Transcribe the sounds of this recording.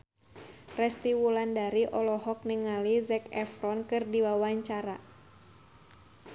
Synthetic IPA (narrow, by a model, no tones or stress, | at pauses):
rɛst̪iwulandaɾiʔɔlɔɦɔk̚niŋalizɛkɛfɾɔnkɨrdiwawaɲt͡ʃaɾa